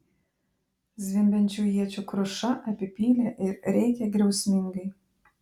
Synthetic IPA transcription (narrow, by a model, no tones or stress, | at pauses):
zʲʋʲɪmʲbʲɛnʲt͡ʃʲuːjiɛt͡ʃʲukɾoʃɐʔɐpʲɪpʲiːlʲɛʔɪɾɾʲɛɪkʲɛɡɾʲɛʊsʲmʲɪŋɡəj